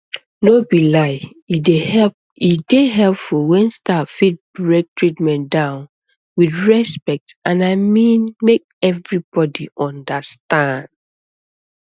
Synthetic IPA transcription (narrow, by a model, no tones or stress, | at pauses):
nobilaɪ | ideɛ | ideɦɛlpfulwɛ̃nstafit̚bɹek̚tʰɹitmɛ̃ndãʊ̃n | wiθɹɛspɛk̚tãnaɪmĩnmek̚ɛvɹibɔdiʔɔ̃ndəstãnd